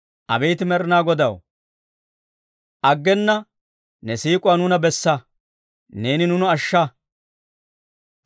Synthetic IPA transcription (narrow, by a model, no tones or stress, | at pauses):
ʔɐ̰bɛjt̪ɪmɛɾɪnaːɡɔd̪ɐw | ʔɐɡːɛnːɐ | nɛsiːkʼʊwaːnʊnɐbɛsːɐ | ne̞ːnɪnʊnʊɐʃːɐ